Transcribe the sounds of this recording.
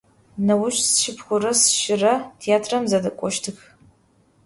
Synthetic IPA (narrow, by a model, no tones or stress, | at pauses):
nɐwʊʃsʃɪpʰχʷʊɾɐsʃɪrɐtʰeaːtʰrɐmzɐdɐkʷʼɔʃtʰɨx